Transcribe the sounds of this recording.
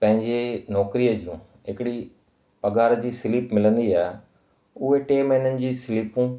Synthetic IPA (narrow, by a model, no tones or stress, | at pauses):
pɐ̃ɦɪ̃ɲd͡ʑenɔːkɾiːəd͡ʑũː | ɦɪkɪɽi | pɐɡaːɾd͡ʑiːsɪliːpmɪlə̃nd̪iaːɦe | ʊɦeʈeːmɛɪnənɪ̆d͡ʑiːsɪliːpũ